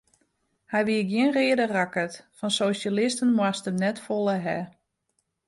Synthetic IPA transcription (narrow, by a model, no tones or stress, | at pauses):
hɛjʋiəɡjɪnreːədərakətfɔnsoːsalɪstənmwastəmnɛtfolˠəɦɛ